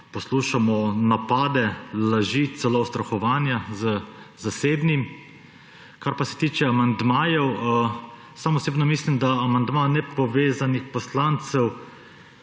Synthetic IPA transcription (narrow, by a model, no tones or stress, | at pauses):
pɔsluːʃamɔnapaːd̪ɛlaʒit̪sɛloʊst̪ɾɔxɔʋaːnjazəzaseːbnim | kaɾpasɛ̥t̪iːt͡ʃɛamand̪maːjɛw | samɔseːbnɔmislimd̪aːmand̪manɛpɔʋeːzanixpɔslant̪sɛw